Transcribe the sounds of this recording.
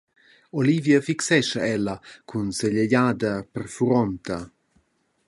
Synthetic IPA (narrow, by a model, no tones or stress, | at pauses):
olivjəfiksɛʃɐɛlːɐkʰunseʎeʎaːd̪ɐpərfuɾɔnt̪ɐ